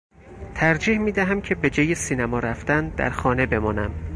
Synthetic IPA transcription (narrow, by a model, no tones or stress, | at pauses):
t̪ʰæɾd͡ʒiːhmiːd̪æɦæmcʰe̞be̞d͡ʒɒːjesiːnæmɒːɾæft̪ænd̪æ̰ɾxɒːne̞be̞mɒːnæm